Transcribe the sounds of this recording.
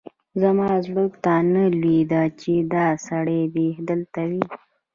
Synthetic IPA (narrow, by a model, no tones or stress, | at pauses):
zamɑzɽəkt̪analwid̪at͡ʃed̪ɑsaɽebehd̪əlt̪awi